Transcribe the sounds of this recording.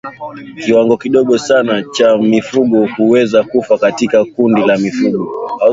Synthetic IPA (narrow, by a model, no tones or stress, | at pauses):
kiwaŋɡɔkiɗɔɠɔsanat͡ʃamifuɠɔhuwɛzakufakatikakundilamifuɡɔa